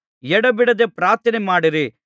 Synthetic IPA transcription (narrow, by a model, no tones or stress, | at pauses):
jɛɽɐbiɽɐd̪epɾaːɾt̪ʰɐnemaːɽiɾi